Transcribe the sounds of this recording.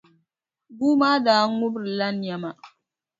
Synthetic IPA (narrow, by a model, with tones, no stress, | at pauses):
bu˦ma˦daː˨˦ŋu˦bɾi˨la˦nja˨ma˨